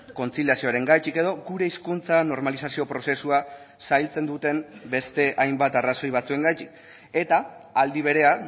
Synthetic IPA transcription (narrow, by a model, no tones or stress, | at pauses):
ko̞nt͡siljasio̞aɾe̞ŋɡajt̪ike̞ðo̞ɡuɾe̞iskunt͡sano̞ɾmalis̬asio̞pɾo̞se̞sua | sajlt͡se̞nd̪ut̪e̞mbe̞st̪e̞ʔajmbat̪araso̞jβ̞at͡sue̞ŋɡajt̪ik | e̞t̪aːld̪iβ̞e̞ɾe̞a